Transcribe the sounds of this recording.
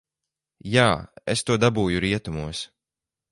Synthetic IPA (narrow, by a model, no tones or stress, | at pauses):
jaːest̪uɔd̪abuːjuɾiɛt̪umuɔs